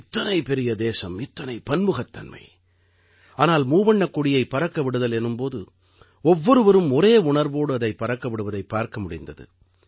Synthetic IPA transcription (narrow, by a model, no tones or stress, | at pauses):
ɪt̪ːɐnɐɪpɛɾɪjɐd̪eːsɐmɪt̪ːɐnɐɪpɐnmɯɣɐt̪ːɐ̰nmɐ̰ɪ | aːnaːlmuːʋɐɳːɐkːʊɽɪjɐɪpɐɾɐkːɐʋɪɽɯðɐlɛnːɯmpoːðɯ̰ | ɔʋːɔɾɯʋɐɾɯmɔɾeːʊɳɐɾʋoːɽɯɐðɐɪpːɐɾɐkːɐʋɪɽɯʋɐðɐɪpːaːɾkɐmʊɽɪnd̪ɐðɯ̰